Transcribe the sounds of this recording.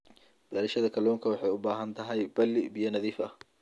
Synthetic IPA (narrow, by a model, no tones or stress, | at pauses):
b̥aːɾɐʃɐðɐkʰɐlɔːŋkʰɐwɑħɑjʊbaːɦɐnt̪ʰɐɦɛjbɐlɪbijɐnɐðiːfɐh